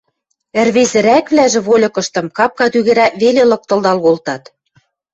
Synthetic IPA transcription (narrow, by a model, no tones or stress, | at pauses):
ɘ̆rβezɘ̆ɾækβlæʒɘ̆βolʲɤ̆kɤ̆ʃt̪ɤ̆mkɑp̚kɑt̪yɣɘ̆ɾæβelelɤ̆k̚t̪ɤ̆ld̪ɑlɣolt̪ɑt̪